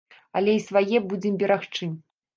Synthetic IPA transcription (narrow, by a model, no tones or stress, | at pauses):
ɐlʲɛisvajɛbud͡zʲɛmbʲɛɾaxt͡ʂɨm